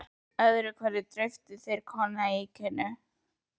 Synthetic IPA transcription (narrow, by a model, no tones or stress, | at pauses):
œðɾʏkʰvɛɾɪt̪ɾœɥft̪ʏθejɾ̥kʰɔnaicʰɛnːʏ